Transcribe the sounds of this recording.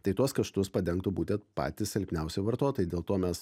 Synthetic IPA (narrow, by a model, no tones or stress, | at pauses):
t̪ɐɪt̪uɔskɐʃt̪ʊspɐd̪ʲɛŋk̚t̪ʊbuːt̪ʲɛnt̪pɑ̰ːt̪ʲɪssʲɛlʲpʲnʲɛʊsʲɛɪʋɐɾt̪oːt̪oːjdʲeːlˠt̪oːmʲɛs